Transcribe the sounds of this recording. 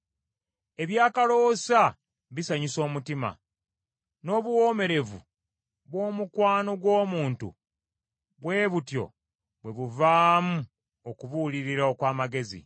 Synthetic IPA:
e̞βjaːkalo̞sa | βisaɲiso̞ːmutima̰ | no̞ːβuwo̞ːme̞ɾe̞vṵ | βwo̞ːmukwaːno̞ɡwo̞ːmuːntṵ | βwe̞ːβutjo̞̰ | βwe̞βuvaːmu | okuβuliɾiɾaokwaːmaɡe̞zḭ

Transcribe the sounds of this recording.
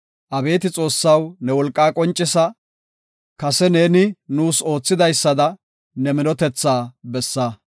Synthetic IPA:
ʔɐbe̞ːt̪ɪt͡sʼo̞ːsːɐwnɛwɔlkʼːaːkʼɔnt͡ʃʼːɪsɐ | kɐsɛne̞ːnɪnuːso̞ːt͡sːɪd̪ɐjsːɐd̪ɐ | nɛmɪnɔt̪ɛt͡sːaːbɛsːɐ

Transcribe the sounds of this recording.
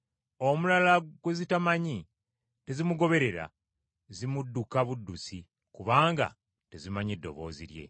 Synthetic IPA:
omulalaɡwezitamaɲi | te̞zimuɡo̞βe̞ɾe̞ɾa̰ | zimudːukaβudːusi | kuβaːŋɡa̰ | te̞zimaɲedːo̞̰βo̞̰ːziɾje̞̰

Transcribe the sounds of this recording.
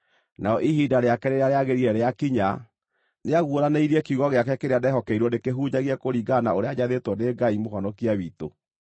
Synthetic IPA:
naɔʔiɦidaɾeakɛɾeɾaɾeaɣeɾiɛɾeakiɲa | neaɣwoɾaneiɾiɛkiuɣɔɣeakɛkeɾeadɛɦɔkɛiɾwɔnekeɦud͡ʑaɣiɛkoɾiɡanaoɾeaɲaðetwɔneɡaimoɦɔnɔkiawiːto̰

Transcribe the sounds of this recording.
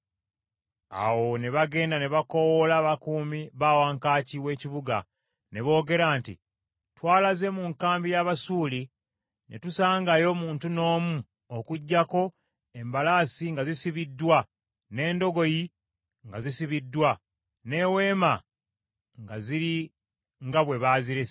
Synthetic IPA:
a̰wo̞ne̞βaɡe̞ːndane̞βako̞wolaːβakuːmiβaːwaːŋkaːciwe̞ːciβuɡa | ne̞βo̞ːɡe̞ɾaːntḭ | twaːlaze̞muŋkaːmbijaβasuːli | ne̞tusaːŋɡajo̞muːntuno̞ːmu | okuɟːako̞ | e̞mbalaːsiŋɡazisiβidːwa | ne̞ːndo̞ɡo̞ji | ŋɡazisiβidːwa | ne̞we̞ːma | ŋɡaziɾi | ŋɡaβwe̞βaːziɾe

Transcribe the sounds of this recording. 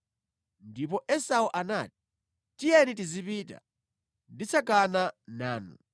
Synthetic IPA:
ndip̬ɔʔɛsauʔanaːti̥ | tijɛnitizipita̰ | ndit͡sʰakananaːnṵ

